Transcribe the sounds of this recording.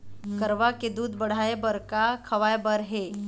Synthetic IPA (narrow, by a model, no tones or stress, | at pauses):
kəɾʋaked̪uːd̪bəɽ̤ajbəɾkakʰəʋajbəɾɦe